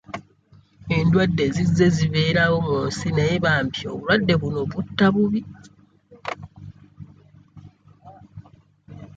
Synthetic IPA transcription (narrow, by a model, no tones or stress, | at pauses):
e̞ndwadːe̞zizːe̞ziβe̞ːɾawomuoːnsinajeβaːmpjo̰βulwadːe̞βuno̞βutːaβuβi